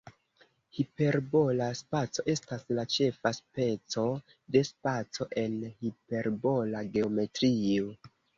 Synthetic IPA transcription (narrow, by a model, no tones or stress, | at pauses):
hipe̞ɾbo̞laspat͡so̞ʔe̞staslat͡ʃe̞faspe̞t͡so̞ | de̞spat͡so̞ʔe̞nhipe̞ɾbo̞laɡe̞o̞me̞tɾio